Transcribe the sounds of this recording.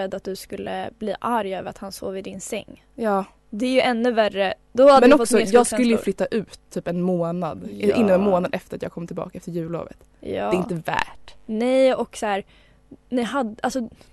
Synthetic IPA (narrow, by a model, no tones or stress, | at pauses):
ɛd̪ːat̪̚d̪ɵskɵlːə̰bliːʔaɾjøːvəɾa̰t̪hanso̰ːvɪd̪ɪnsɛ̰ŋː | jɑː | d̪ɛɾjɵʔɛnːʉværəd̪̥ɔad̪mɛnɔfɔtk̪sɔjɑːɡsɵlːəjɵflʏt̪ːaʔʉ̟ːt̪ʰːyːpɛnmoːnad̪ɛʔɪnːɔmɛnmoːnad̪ɛft̪əɾat̪jaːɡkʰɔmt̪ɪlbɑ̰ːkaɛft̪əɾjʉ̟ːlo̰ːvə̰t̪ | jɑ̰ːɛɪnt̪əvæ̰ːʈnɛjɔksæːɾ | nɪɦad̪alsɔ